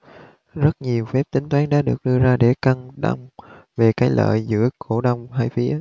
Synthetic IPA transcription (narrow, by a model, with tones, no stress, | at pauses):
zə˦˥t̚ɲi˨˩əwfɛ˦˥p̚t̪ï˨˦ŋ̟t̪waː˨˦nɗa̰ː˧˥˦ɗɨ˨˩ək̚ɗɨ˧əzaː˧ɗe˧˩kə˧ŋɗa˧wŋ͡mve˨˩kaː˨˦jlʔə̰ː˧˨jzɨ̰˧˥əko˧˩ɗə˧wŋ͡mhaː˧jfi˨˦˨